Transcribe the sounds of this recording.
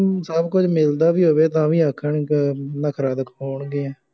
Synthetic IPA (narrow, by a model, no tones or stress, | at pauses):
səbkʊd͡ʒmɪld̪aːʋiːɦoːʋeːt̪ãːʋiːəkʰːəɳknəkʰɾaːd̪əkɦoːɳɡeː